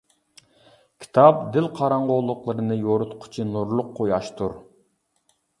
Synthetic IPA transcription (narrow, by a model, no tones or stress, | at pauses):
kʲʰi̥t̪ʰɑp̚d̪ɪlqʰɑɾɑɴʁolˠːʊqlˠɨɾɨnɨjoɾʊt̪qʰʊ̥t͡ʃʰinuɾlˠʊqʰːojɑʃt̪ʰuɾ